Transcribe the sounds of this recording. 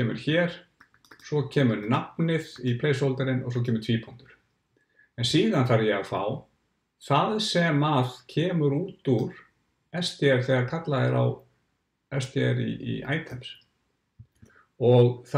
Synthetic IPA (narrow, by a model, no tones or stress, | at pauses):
ɛːmʏ̰ɾ̥çɛɾ̥ | sɔcʰɛːmʏɾnapnɪðipʰleːjs̬owlt̪aɾɪnɔɣs̬ɔcʰɛːmʏɾt̪ʰv̥iːpʰɔnt̪ʏɾ̥ | ɛnsiːðanθaɾjɛɣafa̰ːw | θaðsɛmaðcʰɛːmʏɾuːt̪uɾ | ɛst̪ɛɾ̥θɛɣaɾkʰat̪laðɪɾa̰w | ɛst̪ʰjɛɾḭːa̰ːjt̪ʰɛms | ɔɣθ